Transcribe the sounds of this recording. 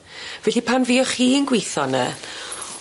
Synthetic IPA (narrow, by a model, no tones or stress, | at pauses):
vɛɬipʰanviːɔχiːənɡweθɔnə̰